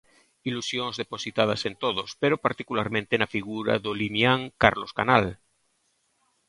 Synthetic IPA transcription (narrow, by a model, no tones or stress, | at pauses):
ilusjoŋzðeposit̪að̞asent̪oðospeɾopaɾt̪ikulaɾmẽnt̪enafiɣuɾa̰ðolimjaŋkaɾloska̰nal